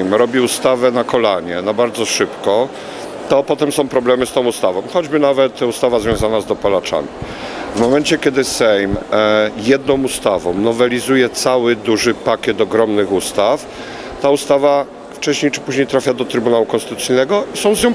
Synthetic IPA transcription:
mɾɔbʲiust̪avɛnakɔlaɲɛnabaɾd̪zɔʂɘpkɔ | t̪ɔpɔt̪ɛmsɔ̃w̃pɾɔblɛmɘst̪ɔ̃w̃ust̪avɔ̃w̃xɔd͡ʑbɘnavɛt̪ust̪avazvʲjɔ̃w̃zanazd̪ɔpɔlat͡ʂa̰mʲi | vmɔmɛnt͡ɕɛkʲjɛd̪ɘsɛjmjɛd̪nɔ̃w̃ust̪avɔ̰̃w̃nɔvɛlʲizujɛt̪sawɘd̪uʐɘpakʲɛt̪ɔɡɾɔmnɘxust̪af | t̪aust̪ava | ft͡ʂɛɕɲejt͡ʂɘpuʑɲejt̪ɾafʲjad̪ɔt̪ɾɘbunawukɔnst̪ɘt̪usɘjnɛɡɔisɔ̃w̃zɲɔ̃w̃

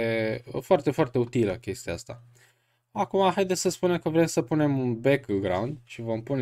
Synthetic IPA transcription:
əfoart̪e̞foart̪e̞ut̪iləkʲe̞st̪iaast̪a̰ | akumaɦajd̪essəspune̞mkəvɾe̞msəpune̞munbekɡɾa̰und̪ʃivo̞mpun

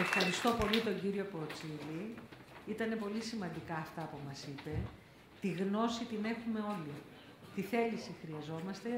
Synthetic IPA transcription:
e̞fxɐɾist̪o̞po̞lit̪o̞ɲɟiɾio̞poːt͡sili | it̪ɐne̞po̞lisimɐnd̪ikɐːft̪ɐpumɐsipe̞ | t̪iɣno̞sit̪ine̞xume̞o̞li | t̪iθe̞lisixɾiɐzo̞mɐst̪e̞

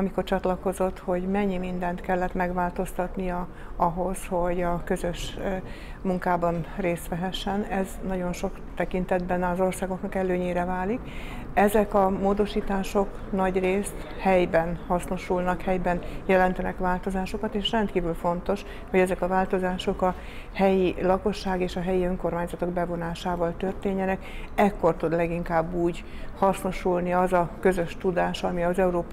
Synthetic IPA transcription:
ɒmiko̞rt͡ʃɒt̪lɒko̞zo̞t̪ːho̞ɟmɛɲːimind̪ɛnt̪kɛlːɛt̪mɛɡʋaːlt̪o̞st̪ɒt̪nijɒ | ɒɦo̞sho̞ɟɒkø̞zøʃ | muŋkaːbɒnreːst̪ʋɛɦɛʃːɛnɛznɒɟo̞nʃo̞kt̪ɛkint̪ɛd̪bɛnɒzo̞rsaːɡo̞knɒkɛløːɲeːɾɛvaːlik | ɛzɛkɒmoːd̪o̞ʃiːt̪aːʃo̞k | nɒɟreːst̪ | hɛjbɛnhɒsno̞ʃulnɒkhɛjbɛnjɛlɛnt̪ɛnɛkʋaːlt̪o̞zaːʃo̞kɒt̪eːʃrɛnt̪kiːvylfo̞nt̪o̞ʃ | ho̞ɟɛzɛkɒvaːlt̪o̞zaːʃo̞kɒ | hɛjilɒko̞ʃːaːɡeːʃɒɦɛjiøŋko̞rmaːɲzɒt̪o̞ɡ̚bɛvo̞naːʃaːvɒlt̪ørt̪eːɲːɛnɛk | ɛkːo̞rt̪ud̪lɛɡiŋkaːbːuːɟ | hɒsno̞ʃulniɒzɒkø̞zøʃt̪ud̪aːʃɒmiɒzɛuɾoːp

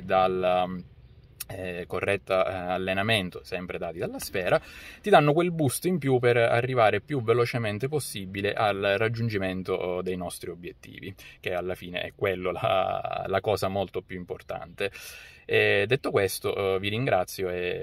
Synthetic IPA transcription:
d̪ala | korːɛt̪ːaːlːenament̪osɛmpɾed̪aːt̪id̪alːasfɛːɾat̪id̪anːokwelbust̪oimpjupera̰rːivaːɾepjuvelot͡ʃement̪eposːibileʔalrad͡ʒːund͡ʒiment̪od̪ejnɔst̪ɾiobːjet̪ːḭːvik̟ealːafiːnḛʔɛ̰kːwelːola̰lakɔːsamolt̪opjuimport̪a̰nt̪eɛd̪ːet̪ːokwest̪oviɾiŋɡɾat̪sːjoe

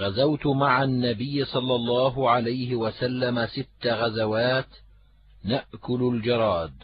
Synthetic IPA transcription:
ɣazawt̪maʕanːabɪjːɪsˤɑlːɑlˤːɑːɦʊʕalajhɪwasalːamasɪt̪ːaɣazawaːt̪ | naʔkʊlʊld͡ʒɑɾˤɑːd̪̚

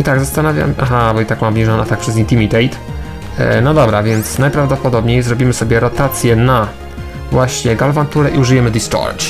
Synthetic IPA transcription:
it̪aɡzast̪anavʲja̰mʔaxabɔit̪akmamvɲiʐɔnat̪ak̚pʂɛzint̪imʲit̪ɛjt̪ | nɔd̪ɔbɾavʲjɛnt̪snajpɾavd̪ɔpɔd̪ɔbɲejzɾɔbʲimɘsɔbʲjɛɾɔt̪at̪sʲjɛna | vwaɕɲɛɡalvant̪uɾɛʔiuʐɨjɛmɘd̪ist͡ʂɔ̰ɾt͡ʂ

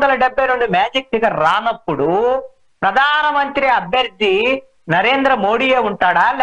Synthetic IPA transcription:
d̪ɐlɐɖebːɐjnoɳɖimaːd͡ʒik̚ːiɡɐɾaːnɐpːuɽu | pɾɐd̪ʱaːnɐmɐnt̪ɾiɐbʱjɐɾd̪ʱːi | nɐɾe̞ːnd̪ɾɐmo̞ːɽiːeːuɳʈaːɽal

